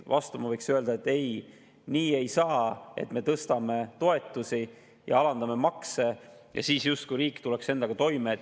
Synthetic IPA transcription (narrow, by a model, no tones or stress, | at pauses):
vʔɑst̪umɑvɤjksøe̞ld̪̥ɑe̞t̪ːe̞j | niːe̞jsɑːe̞̰t̪ˑme̞t̪ɤst̪ɑme̞t̪o̞e̞t̪ːˑusi | jɑ̰ɑlɑnd̪ɑme̞mɑkse̞ | jɑ̰siːsjust̪kujɾiːkːˑt̪ule̞kse̞nd̪ɑɡ̥ɑt̪o̞jme